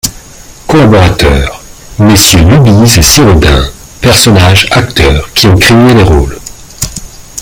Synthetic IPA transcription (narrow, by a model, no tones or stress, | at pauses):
kɔlabɔʁat̪œːʁmesjølybizesiʁod̪ɛ̰̃ | pɛʁsɔnaʒakt̪œːʁkʲiɔ̃kχeeleʁo̰l